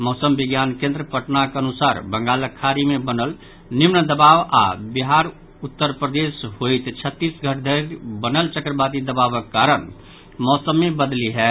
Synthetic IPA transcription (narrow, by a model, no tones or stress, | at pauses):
mɔsəmbiɡjankẽnd̪ɾəpəʈnakənusaɾbəŋɡaləkʰaɾimebənəl | nimnəd̪əbaʋa̰biɦaɾ | ut̪ːəɾpɾəd̪esɦojt̪t͡ʃʰət̪ːisɡʱəʈd̪ʱəɾbənəlt͡ʃəkɾəbad̪id̪əbaʋəkːaɾən | mɔsəmːebəd̪liɦɛ